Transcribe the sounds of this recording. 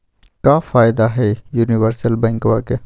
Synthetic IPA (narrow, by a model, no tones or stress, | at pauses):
kaːfaːɪd̪aɦɛjuːniʋəɾsəlbɛ̃ŋkʋaːke